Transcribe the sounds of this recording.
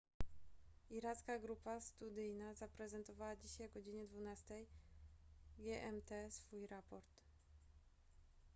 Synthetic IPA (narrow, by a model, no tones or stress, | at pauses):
iɾat̪skaɡɾupast̪ud̪ɘjnazapɾɛzɛnt̪ɔvawad͡ʑiɕajɔɡɔd͡ʑiɲɛd̪vunast̪ɛj | ɡʲjɛʔɛmt̪ɛsfujɾapɔɾt̪